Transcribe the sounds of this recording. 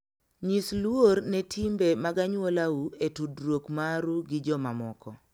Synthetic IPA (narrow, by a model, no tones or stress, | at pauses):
ɲislwornɛtʰimbemaɡaɲwolauetudɾwokmaɾuɡɪd͡ʒɔmamɔ̰kɔ